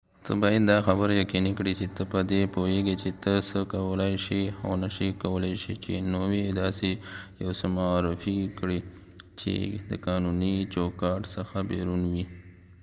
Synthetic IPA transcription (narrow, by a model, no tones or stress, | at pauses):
t̪ə̰bɑjad̪ːɑxabəɾjakinikɽit͡ʃet̪əpəd̪epoeɡet͡ʃet̪əsəkawəlajʃiawnəʃikawəlajʃit͡ʃenowed̪ɑsejawsəmaːɾɪfikɽi | t͡ʃḛd̪ə̰kɑnunit͡ʃokɑʈsəxabḛɾunwi